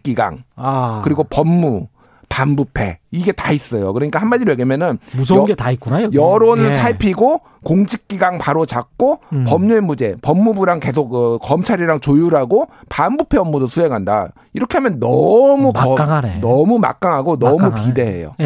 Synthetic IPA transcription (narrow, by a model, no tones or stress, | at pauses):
k͈iɡa̰ŋakɯɾiɡopʌmːu | panbupʰe̞̰iɡe̞tais͈ʌjo̰kɯɾʌɲik͈ahanmad͡ʑiɾojeɡemjʌnɯnusʌɡetaik͈unajʌɾonsʰaɭpʰiɡo | koŋd͡ʑʰik̚k͈iɡaŋpaɾot͡ɕak̚k͈opʌmɲuemud͡ʑe̞pʌmːubuɾaŋke̞sʰok̚ɯk͈ːʌmt͡ɕʰaɾiɾaŋt͡ɕojuɾaɡopanbupʰe̞ʌmːodosʰue̞ŋɦanda̰ | iɾʌkʰe̞ɦamjʌnːʌmuaŋannʌmuma̰k̚k͈aŋɦaɡonʌmupide̞ɦḛjo̰